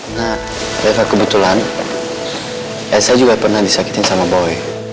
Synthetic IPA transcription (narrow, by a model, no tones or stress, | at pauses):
na | lɛfakəbut̪ulan | ɛlsaad͡ʒuɡapərnahdisaki̥t̪ɪnsamabɔɛ